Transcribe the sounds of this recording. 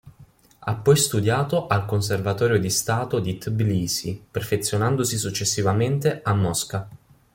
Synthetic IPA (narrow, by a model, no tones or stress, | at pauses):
a̰pːɔjst̪ud̪jaːt̪oʔalkons̬ervat̪ɔːɾjod̪ist̪aːt̪od̪it̪bliːsiperfet̪sːjonand̪osisut͡ʃːesːivament̪eamːɔska